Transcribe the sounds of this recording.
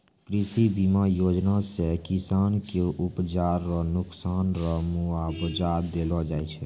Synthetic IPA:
kɾɪsibimajoːd͡ʒnasekisaːnkeʔʊpt͡ʃaːɾːɔnʊksaːnɾɔmuabəd͡ʒad̪elɔd͡ʒaːɛt͡ʃʰɛ

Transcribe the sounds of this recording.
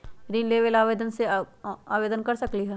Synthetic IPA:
ɾiːnleːʋəlaːʋeːd̪ənseaːʋeːd̪ənkɐɾsɐkliɦɛː

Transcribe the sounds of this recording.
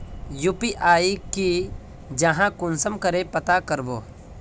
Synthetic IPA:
jupiʔaːiki | d͡ʒɐɦãkʊnsəmkəɾepɐt̪akəɾboː

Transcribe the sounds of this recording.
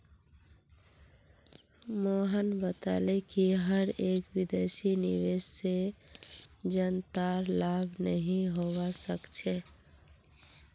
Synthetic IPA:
moɦənbət̪a̰lekiɦəɾekwid̪esinḭʋesse | d͡ʒənt̪aɾlabʱnəɦĩɦowasəkt͡ʃʰe

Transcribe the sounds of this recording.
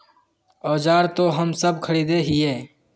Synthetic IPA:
ɔːd͡ʒaːɾt̪oɦəmsəb̚kʰəɽiːd̪eɦɪjeː

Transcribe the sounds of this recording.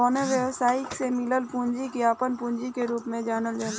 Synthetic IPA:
oːneʋjəʋsaːɪksemɪləlpũːɲd͡ʒikiaːpənpũːɲd͡ʒikeɾuːpmẽd͡ʒaːnəld͡ʒaː

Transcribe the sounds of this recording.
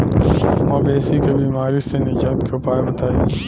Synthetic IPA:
mɐ̃ːbeːsikebiːmaːɾisenɪd͡ʒaːt̪kʰeʊpaːebɐt̪aːjiː

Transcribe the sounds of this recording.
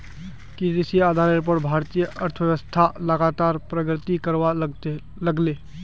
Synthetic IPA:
kid̪isijaːd̪ʱaːɾeɾp̬oːʈbʱaːɾt̪iːjəʔəɾt̪ʰəʋjəʋəst̪ʰaləɡaːt̪aːɾpɾəɡɾɪt̪ikəɾwa | ləɡleː

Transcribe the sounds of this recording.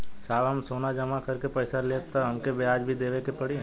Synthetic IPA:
saːʋɐmsoːnad͡ʒɐmakɐɾkepɐɪsaleːp̚t̪aɦɐmkebeaːd͡ʒbʱid̪eːʋekepɐɽi

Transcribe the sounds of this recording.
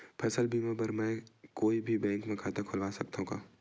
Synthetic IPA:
pʰɛːsəlbʱiːmabɐɾmɛ̃koːibʱibɛ̃ːŋkmẽkʰaːt̪akʰʊlʋaːsɐk̚t̪ɦũɡaː

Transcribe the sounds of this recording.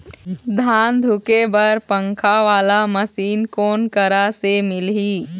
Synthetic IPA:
d̪ʱaːnd̪ʱʊkebɐɾpə̃ŋkʰaʋaːlaməsiːnkoːnkəɾasemɪlɦiː

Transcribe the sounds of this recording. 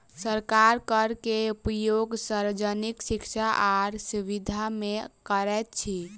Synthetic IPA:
səɾkaɾkəɾkeupəjoɡsaɾd͡ʒəniksikt͡ʃʰaʔaɾsuʋid̪ʱamekəɾɛt̪̚t͡ʃʰi

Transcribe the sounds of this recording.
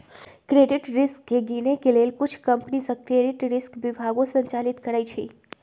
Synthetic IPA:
kɾeɖiʈɾɪskːeɡinekelelkut͡ʃʰkəmpnisə̃kɾeɖiʈɾɪskʋibʱaɡõsəɲt͡ʃalit̪kəɾajt͡ʃʰḛ

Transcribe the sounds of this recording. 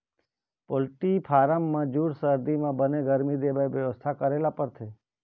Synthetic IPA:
polʈipʰaɾəmːãd͡ʒuɽsəɾd̪imãbəneɡəɾmid̪ebajʋjəʋəst̪ʰakəɾelapəɾt̪ʰe

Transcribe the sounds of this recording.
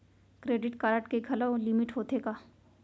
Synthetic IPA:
kɾeːɖɪʈkaːɾəʈkeɡʱɐlalɪmɪʈɦoːt̪eɡaː

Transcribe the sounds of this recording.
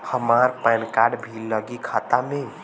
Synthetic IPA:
həmaɾpajnkaɾɖbʱilːəɡikʰat̪ame

